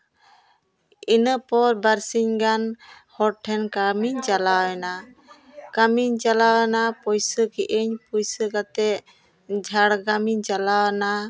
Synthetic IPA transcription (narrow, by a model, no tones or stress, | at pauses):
inəpɔɾbaɾsiɲɡanhɔɾʈʰɛnkamiɲd͡ʒalawɛna | kamiɲd͡ʒalawnapɔjsəɡɛʔəɲpɔjsəkat̪ɛʔ | d͡ʒʱaɽɡamiɲd͡ʒalawna